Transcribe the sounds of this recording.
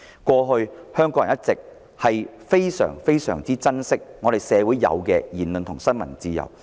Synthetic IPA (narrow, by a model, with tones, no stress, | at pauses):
kʷɔː˧ɦɵ˧ɥhœː˥ŋkɔ˨˧˥jɐ˨˩˨jɐ˥t̚t͡sɪ˨k̚ | hɐ˨jfe˥jsœ̰ː˨˩ŋfe˥jsœ̰ː˨˩ŋt͡siː˥t͡sɐ˥nsɪ˥k̚ŋɔː˨˧ɾe˨jsɛː˨˧wu˨˥jjɐ̰˨˧wkɛː˧jiː˨˩nlɵ˨nt̪ʰʊ˨˩ŋsɐ˥nmɐ̰˨˩nt͡siː˧jɐ̰˨˩w